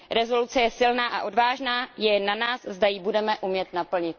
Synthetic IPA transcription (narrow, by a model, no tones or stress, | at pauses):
ɾɛzo̞lut͡sɛjɛsɪlnaːʔaʔo̞dvaːʒnaːjɛnːanaːszdajɪbudɛmɛʔumɲjɛt̪napl̩ɲɪt̪̚